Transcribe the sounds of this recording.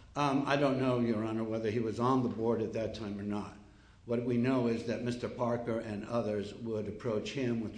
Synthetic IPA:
aɪdõʊ̃nːoʊjə˞ɑnə˞wɛðə˞iwʌzn̩ðəbɔɹɾɨt̪̚ðɨtʰːãɪ̃mə˞nət̚ | wʌt̚winoʊɪzðɨt̚mɪstə˞pʰɑɹkə˞ʔɨ̃nʌðə˞zwʊɾɨpʰɹ̥oʊt͡ʃhɪ̃mwɨð̥

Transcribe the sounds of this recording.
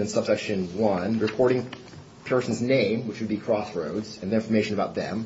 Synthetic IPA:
ɨ̃nsʌb̥sɛkʃɨ̃nwʌ̃nɹɨpʰɔɹɾɪ̃ŋ | pʰɛ˞sn̩znẽɪ̃mwɨt͡ʃwɨd̚bikʰɹ̥ɔsɹoʊdzɨ̃nðə˞ɪ̃ɱfə˞meɪʃɨ̃nəbaʊt̪̚ðɨ̰̃m

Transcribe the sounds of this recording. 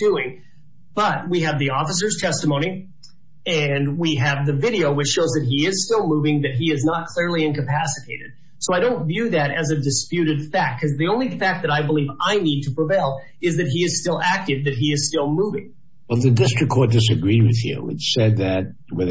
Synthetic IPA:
d̥ʉɪ̃ŋ | b̥ʌt̚wiɨvðiɔfəs̬ə˞z̥tʰɛstəmõʊ̃ñi | ɨ̃nwiɨvðɨvɪɾioʊwɨt͡ʃʃoʊzðɨt̚ɦiɪz̥stɪlˠmuvɪ̃ŋðɨt̚ɦiɨznət̚kʰl̥ɪɹlˠiɨ̃nkɨpʰæsɨtʰeɪɾɨ̰d̥̚ | soʊaɪɾõʊ̃ntvjʉðɨɾɨzɨdɨspjʉɾɨd̥fæk̚t̚kʰʌzðiõʊ̃nlifæk̚ðɨɾaɪbəlivaɪnid̚tʰəpʰɹ̥əveɪlˠ | ɨzðɨt̚ɦiɨz̥stɪlˠæk̚tɨvðɨt̚ɦiɨz̥stɪlˠmuvɪ̰̃ŋ | wɛlˠðɨdɪstɹ̥ɨkʰːɔɹt̚d̥ɨs̬ɨɡɹid̚wɨð̥jʉ̰ɨ̰t͡ʃsɛd̪̚ðɨt̚ | wɨð

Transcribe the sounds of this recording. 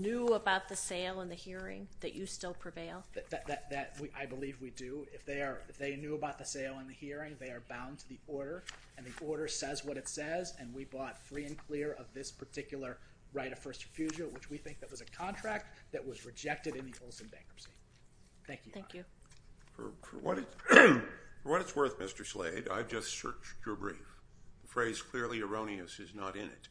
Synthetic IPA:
nʉəbaʊt̪̚ðɨseɪlˠə̃nðɨhiɹɪ̰̃ŋðɨ̰t͡ʃɨstɪlˠpʰɹ̥ɨveɪlˠðɨðɨt̪̚ðɨt̪̚ðɨt̚wiʔaɪbəlivwidɨɪfðeɪə˞ɪfðeɪnjʉəbaʊt̪̚ðɨseɪlˠə̃nðɨhiɹɪ̃ŋðeɪə˞bãʊ̃ntʰɨðiɔɹɾə˞ | ɨ̃nðiʔɔɹɾə˞sɛzwʌɾɨtsɛzɨ̃nwibɔtfɹiɨ̃nkʰl̥ɪɹʌvðɪspʰə˞tʰɪkjl̩ˠə˞ | ɹaɪɾʌ̥fɜ˞stɹɨfjʉʒɨlˠwɨt͡ʃwiθɪ̃ŋk̚ðɨt̚wʌzɨkʰɑ̃ntʰɹ̥æk̚t̪̚ðɨʔ̚wʌzɹɨd͡ʒɛk̚tɨɾɨ̃nðiʔoʊlˠsɨ̃mdæ̰̃ŋkəpsi | θæ̃ŋkjɨθæ̃kjʉfə̰˞fə̰˞wʌ̰ɾɨt | fə˞wʌɾɨtswɜ˞θmɪstə˞slḛɪda̰ɪvd͡ʒʌssɜ̰˞t͡ʃt͡ʃə˞bɹḭfðəfɹeɪz̥kʰl̥ɪɹlˠiɨ˞õʊ̃niɨsɨznəɾɪ̰̃nɪ̰t̚

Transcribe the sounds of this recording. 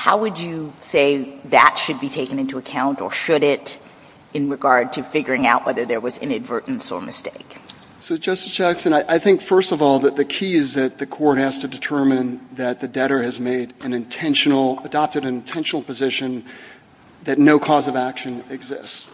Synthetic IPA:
haʊwɨd͡ʒɨseɪðɨ̰tʃɨd̚bitʰeɪkɨ̃nɪ̃ntuɨkʰãʊ̃ntə̰˞ʃɨɾɪɾ | ɨ̃nɹɨɡɑɹd̚tʰɨfɪɡjə˞ɪ̃ŋaʊʔwɛðə˞ðə˞wʌzɨ̰̃nɨdvɜ˞ʔn̩sə̰˞mɨ̰steɪk | soʊd͡ʒʌsɨ̥t͡ʃʰɛksɨ̃naɪʔaɪθɪ̃ŋkfɜ˞stʌvɔlˠðɨt̪̚ðɨkʰiɨzðɨt̪̚ðɨkʰɔɹt̚hæz̥tɨdɨtʰɜ˞mɨ̃nðɨt̪̚ðɨdɛɾə˞ɨzmeɪɾɨ̃nɨ̃ntʰɛ̃nʃnl̩ˠədɑp̚tɨɾɨ̃nɨ̃ntʰɛ̃nʃn̩l̩ˠpɨzɪʃɨ̃n | ðɨtⁿnoʊkʰɔzʌvækʃɨ̃nɪɡzɪ̰sts

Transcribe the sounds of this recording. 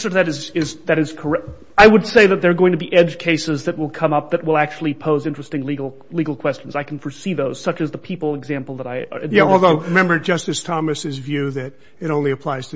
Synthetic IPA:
sə˞ðɨɾɨzɪzðɨɾɨz̥kʰə˞ɛ | aɪwəd̥seɪðɨt̪̚ðə˞ɡoʊɪ̃ŋtʰɨbiʔɛd͡ʒ̥kʰeɪsɨzðɨt̚wəlˠkʰʌ̃mʌp̚ðɨt̚wəlˠæk̚t͡ʃul̩ˠipʰoʊzɪ̃nt͡ʃɹ̥ɨstɪ̃ŋliɡl̩ˠ | liɡl̩ˠkʰw̥ɛst͡ʃn̩zaɪkn̩fə˞siðoʊz̥sʌt͡ʃɨzðəpʰipl̩ˠɨɡzæ̃mpl̩ˠðəɾaɪə̰˞ɨdjæɔlˠðoʊɹɨmɛ̃mbə˞d͡ʒʌstɨstʰɑmɨsɨzvjʉðɨɾ | ɨɾõʊ̃nliɨpʰl̥aɪz̥tʰ

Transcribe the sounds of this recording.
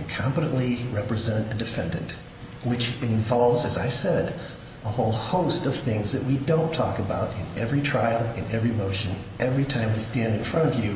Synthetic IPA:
ɨ̃nkʰɑ̃mpəɾə̃nʔliɹɛpɹɨzɛ̃ntɨdɨfɛ̃ndɨ̰̃nʔ | wɨt͡ʃɨ̃ɱvɑlˠvzɨzaɪsɛɾ | əhoʊlˠhoʊstʌv̥θɪ̃ŋzðɨʔ̚widõʊ̃ntʰɔ̰kɨbaʊɾɨ̃nɛvɹitʰɹ̥aɪl̩ˠɨ̃nɛvɹimoʊʃɨ̃n | ʔɛvɹitʰãɪ̃mwɨ̥stæ̃ndɨ̃nfɹʌ̃ɾ̃ʌvjʉ

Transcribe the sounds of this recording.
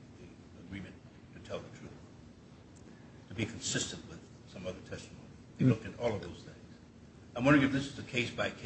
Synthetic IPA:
ði | əɡɹĩmɨ̃nʰ | ɨtʰɛlˠðətʰɹ̥ʉθ | tʰɨbikʰn̩sɪstɨ̃nʔwɪð̥ | sʌ̃mʌðə˞tʰɛstəmõʊ̃niðlʊk̚tɨɾɔlˠʌvðoʊz̥θɪ̃ŋz̥ | ãɪ̃mwʌ̃ndɹɨ̃ɨfðɪsɨzɨkʰeɪsb̥aɪkʰ

